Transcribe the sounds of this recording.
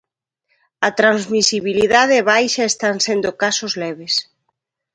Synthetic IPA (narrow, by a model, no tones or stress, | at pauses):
ɐt̪ɾanzmisiβiliðaðeːβajʃɐest̪ansend̪okasozlɛβes